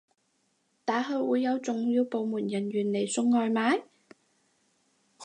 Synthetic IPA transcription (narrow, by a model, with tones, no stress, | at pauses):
t̪aː˨˥ɦɵ˨˧ɥwuː˨˧jːɐ˨˧wt͡sʊ˨ŋjiː˧wpo˨wmuː˨˩njɐ˨˩nɥyː˨˩nle˨˩jsʊ˧˥ŋːɔː˧jmaː˨˥j